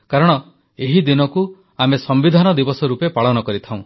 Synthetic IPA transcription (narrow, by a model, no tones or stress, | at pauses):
kaɾɔɽ̃ɔ | eɦid̪inɔku | amesɔmbid̪ʱanɔd̪ibɔsɔɾupepaɭɔnɔkɔɾit̪ʰãw̃